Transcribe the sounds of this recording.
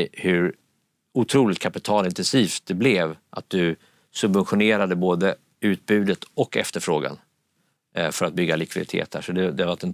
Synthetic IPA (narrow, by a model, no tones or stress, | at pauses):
hɵɾ | ʊt̪ʰɾuːlɪt̪kʰapɪt̪ʰɑːlɪnt̪ɛnsiːft̪̚d̪ɛblɛvʔa̰t̪̚d̪ɵ | sɵbvɛnɧʊneːɾad̪əboːd̪ə | ʉ̟ːt̪̚bʉ̟ːd̪ət̪ɔkːɛ̰ft̪əɾfɾoːɡa̰n | fœɾat̪̚bʏɡːalɪkvɪd̪ɪt̪ʰḛːt̪̚hæ̰ːʂɔd̪ɛd̪ɛhavaʈɛn